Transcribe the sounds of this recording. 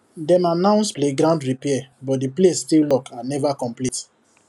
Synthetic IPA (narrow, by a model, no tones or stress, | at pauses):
dɛmanãʊ̃nspleɡɾãʊ̃ndɹipɛɛbɔdiplesstillɔkʰãnɛvakɔ̃mplit